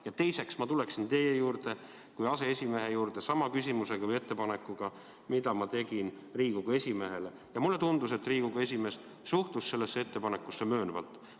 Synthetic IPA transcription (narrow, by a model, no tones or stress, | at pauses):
jɑt̪e̞jse̞ksmɑt̪uleksint̪e̞je̞juːrd̪̥e̞ | kujɑse̞esʲime̞ɦejuːrd̪̥e̞sɑmɑkysʲimuse̞ɡ̥ɑvɯjet̪ːe̞pɑne̞kːˑuɡ̥ɑ | mid̪ɑmɑt̪e̞ɡ̥in | riːɡ̥uɡ̥ɑe̞sʲime̞ɦe̞le̞ | jɑmulːe̞t̪und̪use̞t̪ːˑriːɡ̥uɡɑe̞sʲime̞s | suht̪usse̞lːesːee̞t̪ːe̞pɑne̞kːˑusːemø̞ːnuvɑ̰lt̪ːˑ